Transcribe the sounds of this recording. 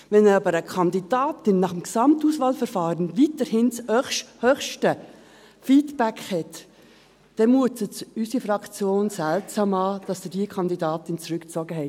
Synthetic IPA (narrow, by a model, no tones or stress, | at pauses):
ʋɛnəɑbəɾəkʰɑndid̥ɑːtɪnːɑχəmksɑmtuːsʋɑːlfəɾfɑːɾənʋitəɾhɪnt͡shœχʃhœχʃtə | fiːdb̥ækhɛt | d̥ɛmuətət͡sysifɾɑkt͡sjoːnsæltsɑːmɑːd̥ɑsd̥̪ɪdiəkʰɑnd̪idɑːtɪnt͡sɾʉkt͡sɔɡəɦɛ